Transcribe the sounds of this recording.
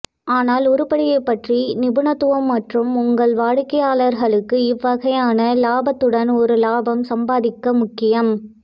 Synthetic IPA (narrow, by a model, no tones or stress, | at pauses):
aːnaːlɔɾɯpɐɽɪjɐɪpːɐʈrinɪbɯɳɐt̪ːɯʋɐmːɐʈrɯmʊŋɡɐɭʋaːɻɯkːɐjaːɭɐɾɣɐɭɯkːɯɪʋːɐɣɐjaːnɐlaːbɐt̪ːɯɽɐnɔɾɯlaːbɐmsɐmbaːðɪkːɐmʊkːɪjɐm